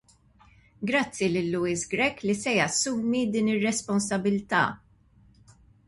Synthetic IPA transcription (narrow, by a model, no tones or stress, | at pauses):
ɡɾɐt͡sːilɪlːʊiːsɡɾɛkːlisɛjɐsːuːmid̪iːnɪrːɛspɔnsɐbɪlt̪ɐ̰ː